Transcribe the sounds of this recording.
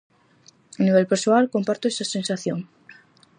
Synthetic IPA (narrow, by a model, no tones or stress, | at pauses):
aniβ̞elpeɾsoalko̞mpaɾt̪oesase̞nsaθjoŋ